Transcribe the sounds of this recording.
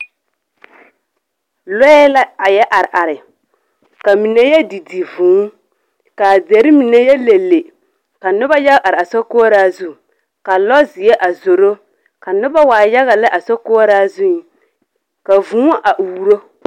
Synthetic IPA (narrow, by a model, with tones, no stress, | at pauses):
lɔ˦ɛ˦la˦a˨jɛ˦ʔa˨ɾɪ˨ʔa˨ɾɪ˨ | ka˨mi˨nɛ˦jɛ˦di˨di˨vũː˨˦ | ka˨de˨ɾɪ˦mi˨nɛ˦jɛ˦le˨lːe˨ | ka˨nʊ˦ba˦ja˦ɡa˦˨ʔa˨ɾɪ˨a˨sɔ˦ko˦ɾa˦zu˦ | ka˨lɔ˦zɪ˨jɛ˦ʔa˨zo˨ɾo˦ | ka˨nʊ˦ba˦waː˨ja˦ɣa˨la˦ʔa˨sɔ˦ko˦a˦ɾa˦zʊ˦i˨ | ka˨vũː˦ʔa˨ʔu˨˦ɾo˦